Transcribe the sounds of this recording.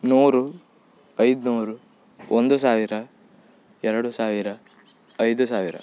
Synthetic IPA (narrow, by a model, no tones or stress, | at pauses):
nuːɾu | ɐjd̪nuːɾu | ond̪us̬aːʋiɾɐ | ɛɾɐɽusaːʋiɾɐː | jd̪usaːʋiɾɐ̰